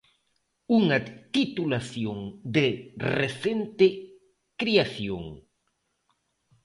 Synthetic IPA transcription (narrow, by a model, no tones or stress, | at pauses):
uŋat̪it̪ulaθjoŋd̪ereθent̪e | kɾiaθjo̰ŋ